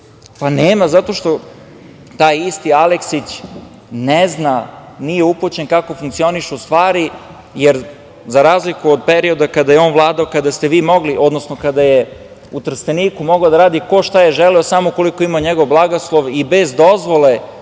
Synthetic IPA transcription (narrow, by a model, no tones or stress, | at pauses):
paneːmazat̪o̞ʃt̪o̞ | t̪aːjist̪ialeksit͡ɕ | neznanijeuput͡ɕenkako̞fuŋkt̪sio̞niʃuust̪ʋaːɾi | jeɾ | zaɾaːzlikuod̪peɾio̞d̪akad̪ajeo̞ːnʋlˠaːd̪aokad̪ast̪e̞ʋiːmo̞ɡliʔo̞d̪nosnokad̪aje | ut̪r̩st̪eniːkumoɡaod̪aɾaːd̪iko̞ʃt̪ajeʒelɛosamoko̞likoimaɲeɡo̞ʋblˠaɡoslˠo̞ʋibezd̪ozʋole